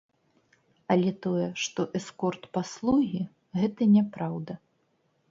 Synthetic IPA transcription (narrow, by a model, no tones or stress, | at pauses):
ɐlʲɛt̪ɔjɛʂt̪ɔʔɛskɔrt̪paslˠuɣʲi | ɣɛt̪ɐnʲɛpɾawd̪ɐ